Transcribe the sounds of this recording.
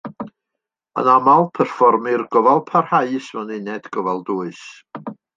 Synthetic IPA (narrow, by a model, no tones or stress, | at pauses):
ə̰namalˠpʰɛrfɔrmɨrɡɔvalˠpʰarhaɨsmɔnɨnɛdɡ̥ɔvalˠduːɨs